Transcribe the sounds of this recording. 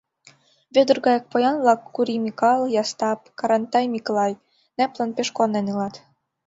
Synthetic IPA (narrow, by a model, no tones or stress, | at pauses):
βød̪ɤ̆rɡɑjɤk̚pojɑnvlˠɑkːuɾimʲikɑlˠjɑst̪ɑp̚kɑɾɑnt̪ɑjmʲiklˠɑj | næplɑnpeʃkonenɯlɑt̪